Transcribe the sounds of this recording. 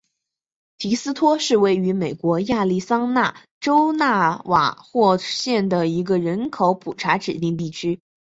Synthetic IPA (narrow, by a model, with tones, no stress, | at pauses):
t̪ʰi˧˥sɹ̩˥t̪ʰwɔ˥ʂɻ̩˥˧we˥˩ɪy˧˥me˨˩ɪkwɔ˧˥ja˥˧li˥˩sɑ˥ŋna˥˩ | ʈ͡ʂo˥ʊna˥˩wa̰˨˩xwɔ˥˧ɕjɛ˥˩nd̪ə˩i˧˥ɡə˧ɻə˧˥nkʰo˧˥ʊpʰu˨˩ʈ͡ʂʰa˧˥ʈ͡ʂɻ̩˨˩t̪i˥˧ŋt̪̬i˥˩t͡ɕʰy˥